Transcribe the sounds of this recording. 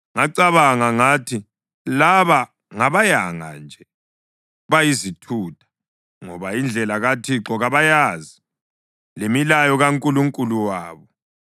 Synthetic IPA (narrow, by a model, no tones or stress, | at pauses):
ŋaǀaβaŋaŋaːtʰi | laβa | ŋaβajaŋa̰nd͡ʒʱɛ | βajizitʰuːtʰḁ | ŋɔ̰βaind͡ɮʱɛlaɣatʰiǁɔɣaβajaːzi | lemilajɔɣaŋkʼuluŋkʼuluwaːβɔ